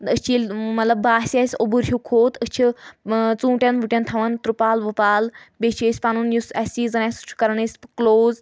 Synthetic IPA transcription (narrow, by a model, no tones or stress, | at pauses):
ət͡ʃiːlʲmɐt̪lɐbːaːsʲɐsʲobuɾɦukʰoːt̪ət͡ʃʰit͡sũːʈʲɐnʋuʈʲɐnt̪ʰɐʋɐnt̪ɾupaːlʋupaːlbʲet͡ʃʰeːsʲpaːnunjusɐsʲiːzɐnasu̥t͡ʃʰu̥kɐɾɐnəsʲpkloːz